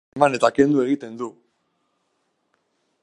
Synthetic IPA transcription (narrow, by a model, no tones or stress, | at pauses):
mane̞t̪ake̞nd̪ue̞ɣit̪e̞nd̪u